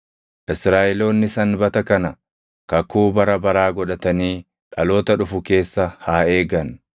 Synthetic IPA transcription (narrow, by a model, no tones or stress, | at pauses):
ʔɪsɾaːʔɛlo̞ːnːɪsɐnbɐt̪ɐkɐnɐ | kɐkːuːbɐɾɐbɐɾaːɡɔᶑɐt̪ɐniː | ᶑɐlo̞ːt̪ɐᶑʊfʊke̞ːsːɐhaːe̞ːɡɐn